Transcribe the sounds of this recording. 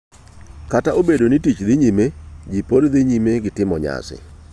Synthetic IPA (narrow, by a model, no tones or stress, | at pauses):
kataobedonitit͡ʃðɪɲimed͡ʒipoɾðɪɲimeɡɪtɪmɔɲa̰sɪ̰